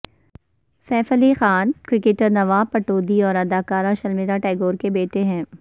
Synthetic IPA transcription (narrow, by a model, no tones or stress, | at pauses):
sɛːfəlixaːnkɾɪkeːʈəɾnɐʋaːpɐʈoːd̪iɔːɾɐd̪aːkaːɾaʃɐlmɪɾaʈaːɡoːɾkebeːʈeɦɛ̃ː